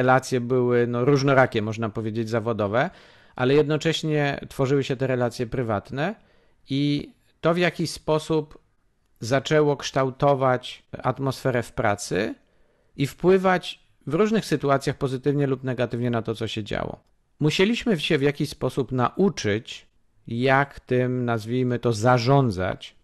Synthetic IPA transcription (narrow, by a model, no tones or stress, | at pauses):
ɛlat̪sʲjɛbɘwɘnɔɾuʐnɔɾakʲɛmːɔʐnapɔvʲjed͡ʑed͡ʑzavɔd̪ɔvɛ | ʔa̰lɛjɛd̪nɔt͡ʂɛɕɲɛ̰t̪fɔʐɘwɘɕɛt̪ɛɾɛlat̪sʲjɛpɾɘvat̪nɛ | i | t̪ɔvʲjakʲiɕspɔsup | zat͡ʂɛwɔkʂt̪awt̪ɔvat͡ɕa̰t̪mɔsfɛɾɛfpɾa̰t̪sɘ̰ | ifpwɘvat͡ɕ | vɾuʐnɘxsɘt̪uat̪sʲjaxpɔzɘt̪ɘvɲɛlupnɛɡat̪ɘvɲɛnat̪ɔt̪sɔɕɛd͡ʑa̰wɔ̰ | muɕelʲiɕmɘɕɛvʲjakʲispɔsupnaʔut͡ʂɘt͡ɕ | jakt̪ɘmnazvʲijmɘt̪ɔzaʐɔnd̪za̰t͡ɕ